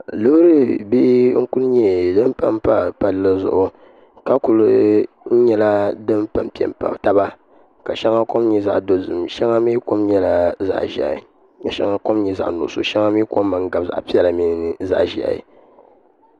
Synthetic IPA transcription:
lɨ˦hɾɨ˦bi˦ʔŋ̩˦ku˦lɲɛ˨dɨ˦m˦pa˨mpa˨pa˨llɨ˦zʊ̰˦˨ʔʊ˨ | ka˦ku˨l | n̩˦ɲɛ˦la˦dɨ˦mpa˨mpi˨ɛ̰˨m˨pa̰˨ta˦ba˦ | ka˨ʃɛ˦ŋa˦ko˦mɲɛ˨za̰˦ʔdo˨zɨ̰˨mʃɛ˦ŋa˦mi˦ko˦mɲɛ˦la˨za̰˦ʔʒi˨a̰˨ | a˨ʃa̰˦ŋa˦ko˦mɲɛ˨za̰˨ʔnʊ̰˨ʔso̰˨ʃɛ˦ŋa˦m˦i˦ko˦mː˦a˨ŋ˦ɡa˨bza̰˨ʔpi˦ɛ˦la˨mi˦n˦nɨ˨za̰˦ʔʒi˨a̰˨ḭ˨

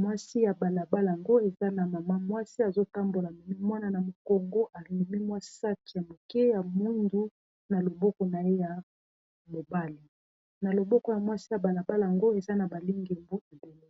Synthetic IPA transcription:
mwa˦si˦ja˨ba˨la˨ba˦la˨ŋɡo˦e˨za˦na˨ma˨ma˦mwa˦si˦a˨zo˦ta˦mbo˨la˨mi˨mi˦mwa˦na˦na˨mo˨kɔ˨ŋɡo˦ʔa˨li˨mi˦mwa˦sa˦ti˨ja˨mo˨kɛ˦ja˨mu˦ndu˦ | na˨lo˨bɔ˦kɔ˨na˨je˦ja˨ | mo˨ba˦li˨ | na˨lo˨bɔ˦kɔ˨ja˨mwa˦si˦ja˨ba˨la˨ba˦la˨a˨ŋɡo˦e˨za˦na˨ba˨li˦ŋɡe˨mbu˦a˨be˨le˦

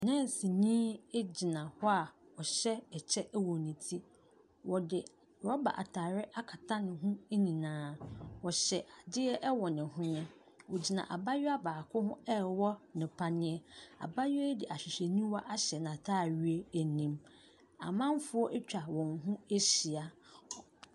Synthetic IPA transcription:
nɛ̃˦˨n˨si˨nĩː˦e˦d͡ʑi˨nã˨hɔ˦a˨ɔ˨ɕɛ˦ɛ˨t͡ɕʰɛ˦ʔwɔ̃˨nĩ˨tʰi˦ | wɔ˨dɪ˨ | ɾɔ˦ba̰˨ʔa̰˨tʰaː˨ɾɪ˦ʔa˦kʰa˨tʰã˦nɪ̃˨ɦʊ̃˦e˦nĩ˨nãː˨˦wɔ˨ɕɛ˨ʔa˨dɪ˦ɛ˦ʔɛ˦wɔ˨nɪ̃˨hʊ̃˦ɲɛ̃˦ | wɔ˨d͡ʑi˨nã̰˨ʔa̰˨ba˦ɥɪ˦a˦baː˨kʰʊ˦hʊ̃˦ɛ˦wɔ˦nɪ̃˨pʰa˦nɪ̃˦ɛ˦a̰˨ba˦ɥɛ˦dɪ˨ʔa˨ɕᶣɪ˨ɕe˨nĩ˦wɔ˦ʔa˦ɕɛ˨nã˨tʰaː˦˨ɥɥe˦æ˨nĩ˦m | a̰˨mã˦m˦fʊ˦ɔ˦ʔɛ˦t͡ɕᶣa˨wɔ̃˨ŋɦũ˦e˦si˨a˨

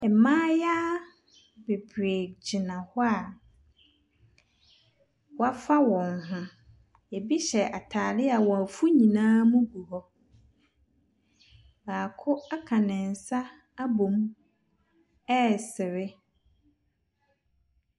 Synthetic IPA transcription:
ɛ˨mãː˦jaː˦ | be˨bɾe˨d͡ʑɪ˨nã˨hʊ˦a˨ | wa˦fa˦wɔ̃˨nhʊ̃˦ | ɛ˨bi˦ɕɛ˨ʔa˨tʰaː˨lɪ˦a˨wɔ̃˨æ˨fu˦ɲĩ˨nãː˦mũ˦bu˨hɔ˦ | baː˨kʰʊ˦a˦kʰa˨nɪ̃˨n˨sa˦ | a˦bõ˨m | ɛ˦sɪ˨ɾɪ˦

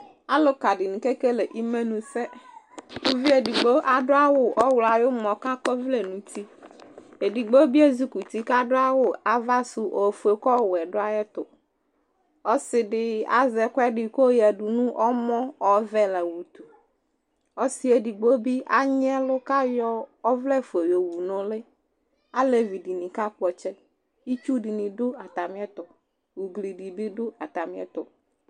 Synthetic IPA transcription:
a˦lʊ˦ka˨ɖɪ˨nũ˨ke˦ke˦le˨ʔi˦me˦nũ˨sɛ˦ | o˦vi˦e˨di˨ɡ͡bo˦ʔa˨ɖʊ˦a˦wʊ˨ʔɔ˦wla˨jʊ˦mɔ̃˨ka˦kɔ˦vle˨nũ˨t̪i˦ | e˨di˨ɡ͡bo˦bi˦e˦zu˦ku˨t̪i˦ka˦ɖʊ˦a˦wʊ˨a˨va˦sʊ˨ʔo˨fu˨e˨˦kɔ˦˨wɛ˨ɖʊ˦a˦jɛ˦t̪ʊ˨ | ɔ˦sɪ˨ɖɪ˦a̰˦zɛ˨kɔ˦ɛ˦ɖɪ˨ko˦jɛ˨ɖu˨nũ˦ʔɔ˦mɔ̃˦ɔ˦vɛ˦lɛ˨wu˨t̪u˨ | ɔ˦si˦e˦ɖi˨ɡ͡bo˦bi˦ʔa˦ɲ˦ɛ˦lʊ˦ka˦jɔ˦ɔ˦vlɛ˦fe˨jo˨wu˨nɔ̃˦le˦ | a˦le˨vi˨ɖi˨nĩ˨ka˦k͡pɔ˨t͡ʃɛ˦ | i˦t͡ʃu˦ɖi˨nĩ˨ɖʊ˦a˨t̪a˨mĩ˦ɛ˦t̪ɔ˨ | wu˨ɡli˨ɖi˨ɖɪ˦ɖʊ˦a˨t̪a˨mĩ˦ɛ̰˦t̪ʊ˨

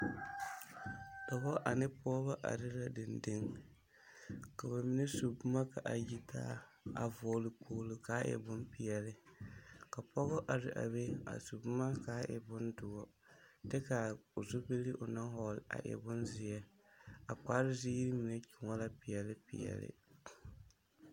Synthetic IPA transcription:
da˨bɔ˦ʔa˨nɨ˦pɔː˦βa˦ʔa̰˨ɾɪ˦la˦dɨ˨ndɨ˦ŋ | ka˨ba˨mi˦nɛ˦su˨bma˦ka˨ʔa˨ji˦tʰa̰ː˦ | a̰˨vɔː˨lɨ˦pʰoː˦lu˦ka˨˦ʔɛ̰˨bʊ˦npi˨jɛ˨lɨ˦ | ka˨pɔ˦ɣʊ˦ʔa˨ɾɪ˦ʔa̰˨be˦a̰˨su˨bma˦kaː˨˦ʔɛ̰˨bʊ˦ndʊ˨ɔ˦ | dɛ˦ka˨zu˦bi˦li˦ʔʊ˨na˦ɦɔ˦˨lʔa̰˨ʔɛ̰˨bʊ˦nzɪ˨jɛ˦ | a˨k͡pa˦ɾɪ˦zi˦ɾɪ˦mi˨nɛ˦t͡ʃʊ˨ŋɔ˦la˦pi˨jɛ˨lɨ˦pḭ˨ɛ̰˨lɪ̰˦˨

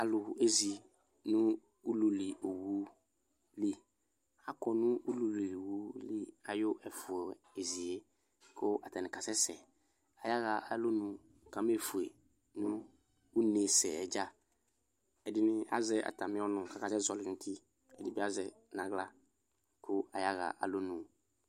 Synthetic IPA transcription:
a˨lʊ˨e˦zi˨ | nʊ̃˦ | u˦lu˨li˨ʔo˨wu˦ | li˦ | a˨kɔ˨nʊ̃˦u˦lu˨li˨wu˦li˦a˨jʊ˦ʔɛ˨fʊ˨e˨zi˨e˦ | kʰo˦ʔa˨ta˨nɪ̃˨ka˨sɛ˦sɛ̰˨ | a˨ja˦ɣa˨ʔa˦lo˦nʊ̃˨ | kã˨˦m˦e˨fʊ˨e˨ | nũ˦ | u˦ne˨sɛ̰˨ɛ˨d͡ʒa˦ | ɛ˨dɪ˦nɪ̃˦a̰˦zɛ˦ʔa̰˨ta˨mɪ̃˦ɔ˦nʊ̃˨ka˨ka˨sɛ˦zɔ˨lɪ˨nʊ˦tʰi˦ | ɛ˨dɪ˦bi˦a˦zɛ˨ | nã˨˦ɡla˦ | kʰʊ˦a˨ja˦ɣa̰˨ʔa̰˨lo˦nũ˨

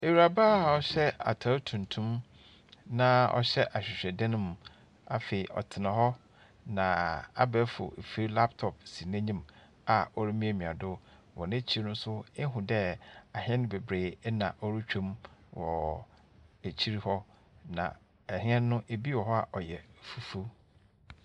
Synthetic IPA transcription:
e˨wu˨ɾa˨ba˦˨ɔ˨ɕɛ˦a̰˨tʰa˨˦tʰũ˨ntʰũ˦m | nã˨ɔ̰˨ɕɛ˦ʔa˨ɕᶣɪ˨ɕᶣɛ˨dɛ˦nʊ̃˦m˨ | a̰˨fe˨i˨ʔɔ̰˨tʰɪ˨nã˨hɔ˦ | nã˨a̰˦bɛ˨˦fʊ̰˨e˨fi˦ɾi˦la˦ptʰɔ˨p̚si˨næ̃˦ɲĩ˦m | a˨ɔ˦ɾi˦mĩ˦e˦˨mĩ˨a˨dʊ˦ | wɔ̰̃˨nɪ̃˦t͡ɕʰi˦ɾi˦nʊ̃˦sʊ˦ɛ˦ɦʊ̃˨dɛ˦a˨hɛ̃˦nʊ̃˦be˨bɾeː˨˦nã̰˨ʔɔ˦ɾu˦t͡ɕᶣʰũ˦mwɔ˨ | e˨t͡ɕʰi˦ɾi˦hɔ˦ | nã̰˨ | ɛ˨hĩ˦ɛ̃˦nː˦ʊ̃˦ʔe˨bi˦wɔ˨ɦɔ˦a˨ʔɔ˨jɛ˨fu˦fu˦

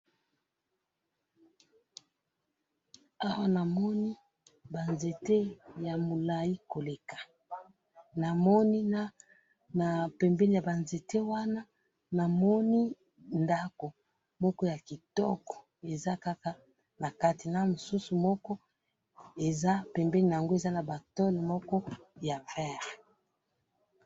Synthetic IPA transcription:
a˦wa˦na˨mɔ˦ni˦ | ba˨nze˨te˦ja˨mo˨la˨ji˦ko˨le˨kḁ˨ | na˨mɔ˦ni˦na˦ | na˨pɛ˨mbɛ˦ni˦˨ja˨ba˨nze˨te˦wa˦na˦ | na˨mɔ˦ni˦ | nda˦ko˨ | mɔ˦kɔ˦ja˨ki˨tɔ̰˦kɔ̥˨ | e˨za˦ka˦ka˦ | na˨ka˦ti˨na˦mo˨su˦su˨mɔ˦kɔ˦ | e˨za˦pɛ˨mbɛ˦ni˨na˨a˨ŋɡo˦e˨za˦na˨ba˨tɔ˦lmɔ˦kɔ˦ja˨vɛ˦˨ʁe˨

